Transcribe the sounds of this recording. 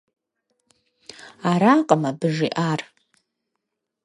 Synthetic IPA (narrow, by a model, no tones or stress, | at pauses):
aɾaqʼamabɨʐiʔar